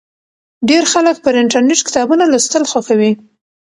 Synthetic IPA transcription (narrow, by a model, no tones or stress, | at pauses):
ɖeɾxalək̚pəɾɪɳʈaɾneʈkɪ̥t̪ɑbunalast̪əlxaxawi